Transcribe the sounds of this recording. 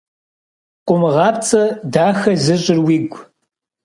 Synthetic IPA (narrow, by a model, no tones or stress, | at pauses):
qʷʼʊmɨʁɑːp̚t͡sʼɐdaːxɐzɨɕʼɪrwiːɡʷ